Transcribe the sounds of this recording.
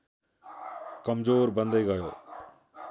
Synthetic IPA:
kəmzoːɾbə̃nd̪ʱiːɡəjoː

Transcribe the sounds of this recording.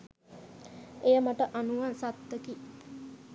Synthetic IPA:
ejəmaʈəʔanuʋansat̪ːəki

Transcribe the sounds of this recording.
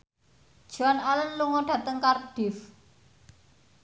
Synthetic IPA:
d̥ʒ̥uanalənluŋɔɖ̥ä̤t̪əŋkarɖ̥ɪf

